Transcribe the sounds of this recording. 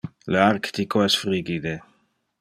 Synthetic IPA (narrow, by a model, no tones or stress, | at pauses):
learkt̪ikoɛsfɾiɡid̪e